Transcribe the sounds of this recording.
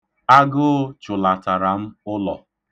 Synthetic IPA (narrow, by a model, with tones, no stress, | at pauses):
a˦ɡʊ˦t͡ʃʊ˨la˨ta˨ɾa˨m̩˦ʊ˦lɔ˨